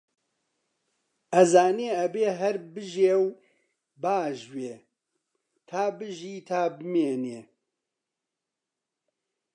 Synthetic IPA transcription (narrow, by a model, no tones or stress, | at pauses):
ʔɐzaːneːɐbeːɦɛɾbɨʒeːw | baːʒweː | t̪ʰaːbɨʒiːt̪ʰaːbɨmeːneː